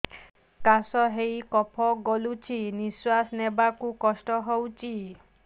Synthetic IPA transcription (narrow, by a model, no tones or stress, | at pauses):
kasɔɦejkɔpʰɔɡolut͡ʃʰiniswasnebakukɔsʈɔɦowt͡ʃʰi